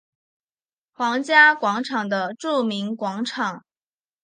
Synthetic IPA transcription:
xwɑ˧˥ŋt͡ɕja˥kwɑ˧˥ŋʈ͡ʂʰɑ˨˩ŋd̪ə˦ʈ͡ʂu˥˩mi˧˥ŋkwɑ˧˥ŋʈ͡ʂʰɑ˨˩˦ŋ

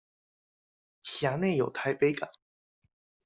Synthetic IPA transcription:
ɕja˧˥ne˥˩ɪjo˨˩ʊt̪ʰa˧˥ɪpe˥ɪka̰˨˩˦

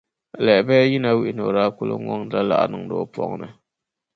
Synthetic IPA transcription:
lɛ˨ɪ˨bɛ˦ji˦na˦wi˦ʔɪ˨no˨ɾa˦kʊ˦lo̰˦ŋɔ˦ŋ˦da˦la̰˨ʔa̰˨nɨ˨ŋ˨do̰˨˦˨pɔ̰˦ŋnɨ˨

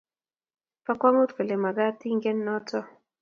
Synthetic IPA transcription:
pa˦kwa˦ŋo˦tke˨le˨ma˨ɡa˦ti˦ŋɡɛ˦nːɔ˦tɔ˦

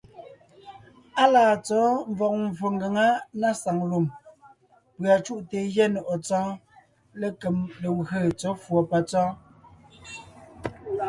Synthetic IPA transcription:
a˦laː˨t͡sɔ˨˦m˦vɔ˨k̚ɱ˨vo˨ŋɡa˨ŋa˦na˦˨sa˨ŋlu˨m | pɰa˨t͡ʃu˦ʔte˨jɛ˦nɔ˨ʔɔ˨t͡sɔ̃ː˦ | le˦ke˨mle˨ɣə˦˨t͡sɔ˨˦fwɔ˨pa˨t͡sɔ̃ː˦

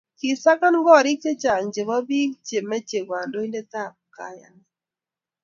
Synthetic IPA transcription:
ki˨sa˦ka˦nŋɡɔ˦˨ɾɪ˦k̚t͡ʃe˦t͡ʃa˨ŋd͡ʒe˨βɔ˦bi˦kt͡ʃe˨mɛ˦t͡ʃe˨ɡwa˨ndo˦i˦ndɛ˦t̪a˦˨p̚ka˨˦ja̰˨nɛ˨

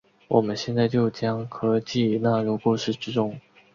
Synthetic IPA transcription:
wɔ˨˩mə˦nɕjɛ˥˧nt͡sa˥˧ɪt͡ɕjo˥˩ʊt͡ɕjɑ˥ŋkʰɤ˥t͡ɕi˥˩na˥˩ɻu˧˥kwɔ˨˩ʂɻ̩˥˩ʈ͡ʂɻ̩˥ʈ͡ʂʊ˥˩ŋ

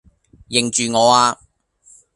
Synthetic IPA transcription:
jɪ˨˩ŋt͡ʃyː˨ŋɔː˨˧aː˧

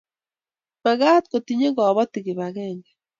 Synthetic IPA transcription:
βa˨ɣa˦tko˨tiɲe˦ɡɔ˨βɔ˦tiɣe˨βaɣɛː˨ŋɡe

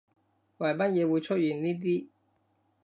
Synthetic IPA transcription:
wa˨˩jma˥n̚jɛː˨˧wu˨˧jt͡ʃʰɵ˥t̚jyː˨˩nniː˥t̪̬iː˥

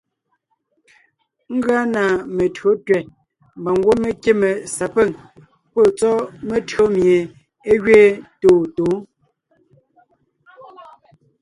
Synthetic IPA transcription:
ŋ̩˦ɡɰa˦na˨me˨tɰo˨˦tɥɛ˨ | m˨ba˨ŋ˦ɡwo˦me˦kje˦me˨sa˨pe˦˨ŋ | po˦˨t͡sɔ˦me˦tɰo˦mje˨ | e˦ɣɥeː˦toː˨toː˨˦

